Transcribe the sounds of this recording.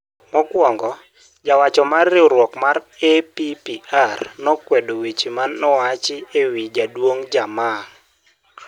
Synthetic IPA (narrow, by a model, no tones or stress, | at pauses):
mɔkwɔŋɡɔ | d͡ʒawat͡ʃɔmarːɪoɾwɔkmaɾepipiarnɔkwɛdowet͡ʃimanːɔwat͡ʃɪewid͡ʒadwoŋd͡ʒama